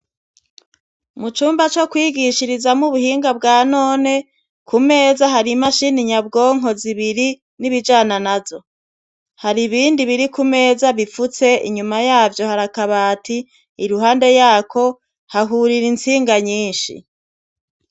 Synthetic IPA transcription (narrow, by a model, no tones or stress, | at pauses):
mut͡ʃuːmbat͡ʃokwiːɡiʃiɾizamuβuhiːŋɡabɡaːno̞ːne̞ | kʰume̞ːzaɦaɾimaʃiniɲab̚ɡo̞ːŋ̥o̞ziβiɾi | niβid͡ʒaːnanazo̞ | haɾiβiːndiβiɾikume̞ːzaβifut͡se̞ʔḭɲumajaːvjo̞haɾakaβaːtʰiː | ɾuɦaːnde̞jaːkʰo̞ | haɦuɾiɾint͡siːŋɡaɲiːnʃḭ